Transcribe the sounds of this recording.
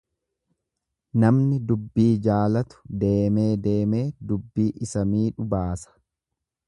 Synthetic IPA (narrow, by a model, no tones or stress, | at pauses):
nɐmnɪd̪ʊbːiːd͡ʒaːlɐt̪ʊ̥d̪e̞ːme̞ːd̪e̞ːme̞ːd̪ʊbːiːʔɪsɐmiːᶑʊbaːsɐ̥